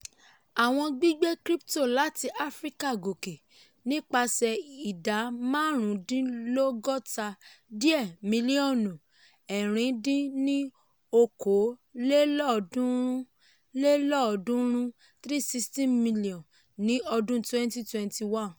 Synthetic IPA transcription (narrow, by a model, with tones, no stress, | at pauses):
a˨w̃ɔ̃˧ɡ͡bi˦ɡ͡be˦kɾi˦pto˦˨la˨˦ti˧ʔa˦fɾi˦ka˦˨ɡo˨ke˨ | nĩ˦k͡pa˧sɛ˧i˨da˨˦mãː˦ɾ̃ũ˨˦dĩ˦lo˦ɡɔ˦ta˧di˦ɛ˦˨mĩ˨˧li˦ɔ̃˦˨nũ˨ | ɛ˨ɾ̃ĩ˨˧˦dĩ˦nĩ˦ | o˧ko˨˦le˦lɔ˦ɔ˧dũ˦ɾũ˦ | le˦lɔ˦˨ɔ˧dũ˦ɾ̃ũ˦ | t̪ɾi˦˨si˧stĩ˦˨mmĩ˧li˦ɔ̃˨ | nĩ˨˦ɔ˧dũ˦twɛ̃˦nti˦twɛ̃˧nti˧wã˦˨n